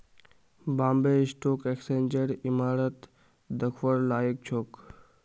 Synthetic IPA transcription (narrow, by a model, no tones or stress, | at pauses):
bãːmbeːisʈoːkekseːnd͡ʒəɾimaːɾət̪ | d̪əkʰwəɾlaːjik̚t͡ʃʰoːk